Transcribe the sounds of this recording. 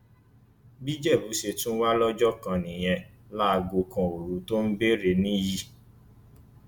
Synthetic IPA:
bi˦d͡ʒɛ˦˨bu˨˦ʃe˧tũ˦wa˦lɔ˦d͡ʒɔ˦kã˧nĩ˨j̃ɛ̃˧ | la˦˧ɡo˧kã˨o˨ɾu˨˦to˦n̩˦be˦ɾe˧nĩ˦ji˦˨

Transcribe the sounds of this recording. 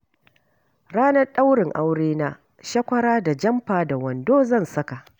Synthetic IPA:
ɽaː˦nɐ˦rɗa˦wɽɪ˨ŋʔa˦wɽeː˦naː˦ | ʃɐ˦kʷɐ˦ɽaː˦da˨d͡ʒɐ˦mɸaː˨da˨wɐ˨ndoː˦zɐ˦˨nsɐ˦ka˨ʔ

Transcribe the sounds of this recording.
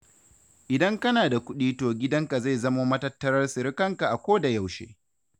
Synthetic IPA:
ʔɪ˨dɐ˦ŋkɐ˦naː˨da˨kʷʊ˦ɗiː˦toː˨ɡʲɪ˦dɐ˦ŋka˨za˦˨jzɐ˦maː˦mɐ˦tɐ˦tːɐ˦ɾɐ˦rsɪ˨ɾɪ˦kɐ˦˨ŋka˨ʔa˨kʷoː˦da˨ja˦˨wʃḛː˦

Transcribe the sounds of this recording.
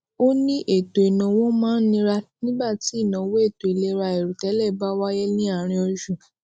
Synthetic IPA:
o˦nĩ˦ʔe˦˨to˨i˨nã˨wɔ̃˦mãː˦nĩ˦ɾa˦nĩ˦ba˦˨ti˨˦i˦˨nã˨˦we˦e˦˨to˨i˨le˧ɾa˧e˨ɾu˨tɛ˨˦lɛ˦˨ba˦wa˦jɛ˦nĩ˦a˦˨ɾ̃ĩ˧ɔ˧ʃu˨

